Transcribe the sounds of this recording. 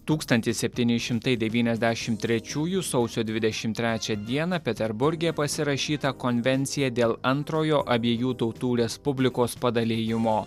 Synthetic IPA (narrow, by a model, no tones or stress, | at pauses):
t̪uːkst̪ɐnʲt̪ʲɪssʲɛpʲt̪ʲiːnʲɪʃʲɪmt̪ɐɪd̪ʲɛʋʲiːnʲɛzʲd̪ʲæʃʲɪmt̪ʲɾʲɛt͡ʃʲuːjusɒʊsʲoːd̪ʲʋʲɪd̪ʲɛʃʲɪmt̪ʲɾʲæːt͡ʃʲɛd̪ʲiɛnɐpʲɛt̪ʲɛɾbʊɾʲɡʲeːpɐsʲɪɾɐʃʲiːt̪ɐkonʲʋʲɛnʲt̪sʲɪjɛd̪ʲeːlˠɐnt̪ɾoːjoːʔɐbʲeːjuːt̪ɒʊt̪uːɾʲɛspʊbʲlʲɪkoːspɐd̪ɐlʲeːjɪmoː